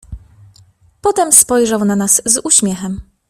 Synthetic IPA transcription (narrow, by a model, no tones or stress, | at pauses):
pɔt̪ɛmspɔjʐawnanaszuɕmʲjɛxɛm